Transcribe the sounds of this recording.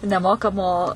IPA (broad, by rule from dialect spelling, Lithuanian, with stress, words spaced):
nʲɛˈmoːkɐmoː